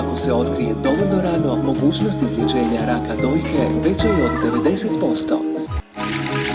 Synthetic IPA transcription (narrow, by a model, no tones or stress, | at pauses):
ako̞se̞o̞t̪kɾije̞d̪o̞ʋolʲno̞ɾaːd̪no̞mo̞ɡuːt͡ɕnost̪izlʲet͡ʃe̞ːɲaɾakad̪o̞jke̞ʋe̞t͡ɕejod̪ːe̞ʋe̞d̪e̞set̪po̞st̪o̞̰